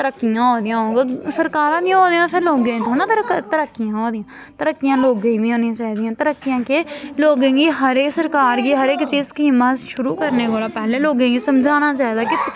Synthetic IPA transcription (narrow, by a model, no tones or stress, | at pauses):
t̪əɾəkːɪjãːɦoːd̪ɪjãːɦoːɡasəɾkaːɾãːd̪ijãːɦoːd̪ijãːpʰeloːɡẽːt̪ʰoːnãːt̪əɾkt̪əɾəkːɪjãːɦoːd̪ɪjãː | t̪əɾəkːɪjãːloːɡẽːʋiːɦoːnijãːt͡ʃaːɦiːd̪ijãːt̪əɾəkːɪjãːkeloːɡẽːɡiːɦəɾeːksəɾkaːɾɡiːɦəɾeːkt͡ʃiːzkiməʃʊɾuːkəɾneːkoːlaːpɛːleːloːɡẽːɡiːsəmd͡ʒʱaːnaːt͡ʃaːiːd̪aːkɪ